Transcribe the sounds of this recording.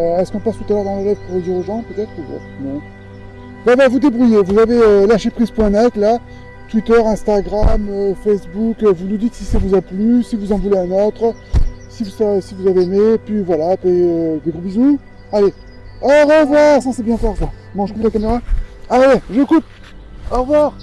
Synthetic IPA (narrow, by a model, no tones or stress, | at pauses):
ɛskɔ̃past̪ut̪alœʁd̪ɑ̃ləʁɛvpuʁəd̪iʁoʒɑ̃pøt̪ɛt̪χuva̰ | nɛ̃ | vavavud̪ebʁyjevuzaveølaʃepχizpwɛ̃nɛt̪la | t̪wit̪œʁɛ̃st̪aɡʁamøfɛsbukvulud̪it̪sisavuzaplysivuzɑ̃vuleɛ̃nɔt̪χ | sivusasivuzavemepɥivwalapeød̪eɡʁobizu | ale | ɔʁəvwaʁsɑ̃sebjɛ̃kɔʁka | mɑ̃ʒkũpd̪əlakameʁaawɛʒəkup̚ | ɔʁvwaʁ